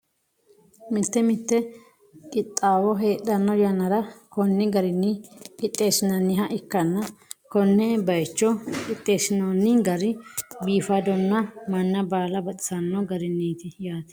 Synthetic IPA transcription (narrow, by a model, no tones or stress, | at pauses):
mɪt̪ːɛmɪt̪ːɛ | kʼɪt̪ʼːaːwɔɦeːt̪ʼːɐnːɔjɐnɐɾɐkɔnːɪɡɐɾɪnːɪkɪt̪ʼːe̞ːsɪnɐnːɪɦɐʔɪkːɐnːɐkɔnːɛbɐjt͡ʃːɔkɪt̪ʼːe̞ːsɪnɐnːɪɡɐɾɪbiːfad̪ɔnːɐmɐnːɐbaːlɐbɐt̪ʼɪ̥sɐnːɔɡɐɾɪnːiːt̪ɪjaːt̪ɪ̥